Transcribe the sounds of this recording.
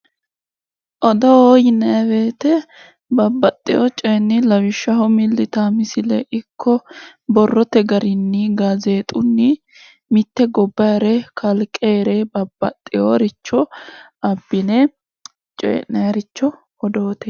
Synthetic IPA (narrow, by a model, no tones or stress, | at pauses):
ʔɔd̪ɔjɪnɐɐbeːt̪ɛ | bɐbːɐt̪ʼːɪjɔt͡ʃʼɛːnːɪlɐwɪʃːɐɦɔmɪlːɪt̪aːmɪsɪlɛʔɪkːɔ | bɔrːɔt̪ɛɡɐɾɪnːɪɡaze̞ːt̪ʼʊnːɪ | mɪt̪ːɛɡɔbːɐɾɛkʰɐlkʼeːɾebɐbːɐ̰t̪ʼːɪjoːɾɪt͡ʃːɔ | ɐbːɪne | t͡ʃʼɛ̰ːnɐɐɾɪt͡ʃːɔ | ɔd̪oːt̪ɛ